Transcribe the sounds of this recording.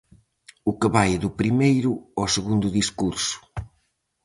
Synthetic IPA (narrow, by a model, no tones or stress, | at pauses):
ukɨβajðʊpɾimejɾʊɔwsɨɣũnd̪uðiskuɾsu̥